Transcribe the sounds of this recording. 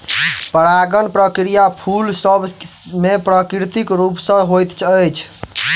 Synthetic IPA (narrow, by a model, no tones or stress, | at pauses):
pəɾaɡənpɾəkɾijapʰulsəbmepɾəkɾɾt̪ikɾupsə̃ɦojt̪t͡ʃʰəjt͡ʃʰ